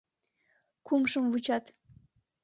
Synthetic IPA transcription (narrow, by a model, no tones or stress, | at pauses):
kumʃəmvut͡ɕɑt̪